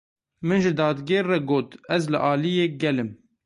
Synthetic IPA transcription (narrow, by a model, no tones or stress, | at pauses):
mɨnʒɪd̪ɑːd̪ɡeːɾːɛɡoːt̪ɛzlɨʔɑːlijeːɡɛlɨm